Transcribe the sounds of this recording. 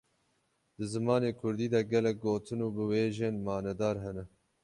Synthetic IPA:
d̪̥ɨzɨmɑːneːkʰʊɾd̪iːd̪ɛɡɛlɛk̚ɡoːt̪ʰɨnuːbɨweːʒeːnmɑːnɛd̪ɑːɾɦɛnɛ

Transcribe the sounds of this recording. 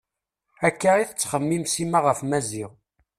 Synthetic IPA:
ækːaʁiθət͡sːχəmːimsimaʁəfmæziʁ

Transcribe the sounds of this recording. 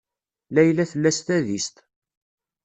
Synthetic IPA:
læjlæθəlːæst̪æðist̪

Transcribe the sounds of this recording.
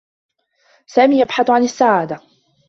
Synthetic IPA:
saːmiːjabħaθʕanasːaʕaːd̪a

